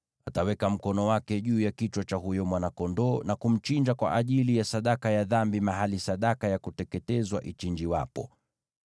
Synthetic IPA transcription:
atawɛkam̩kɔnɔwakɛʄuːjakit͡ʃwat͡ʃaɦujɔmwanakɔndɔːnakum̩t͡ʃind͡ʒakwa̰ʔaʄilijasaɗakajaðambimaɦalisaɗakajakutɛkɛtɛzwaʔit͡ʃind͡ʒiwa̰pɔ̰

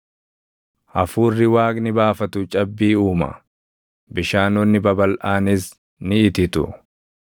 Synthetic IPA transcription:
ʔɐfuːrːɪwaːkʼnɪbaːfɐt̪ʊt͡ʃʼɐbːiːuːmɐ̰ | bɪʃaːnɔnːɪbɐbɐlʔaːnɪs | nɪːt̪ɪt̪ʊ̰

